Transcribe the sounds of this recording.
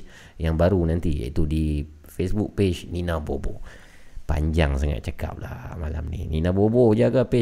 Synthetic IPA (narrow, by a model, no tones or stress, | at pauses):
jaŋbaɾunant̪ija̰it̪udi | fesbuk̚pet͡ʃninabobo̰ | pa̰ɲd͡ʒaŋsaŋa̰tʔ̪̚t͡ʃaka̰p̚lahmala̰mnḭninabobod͡ʒaɡape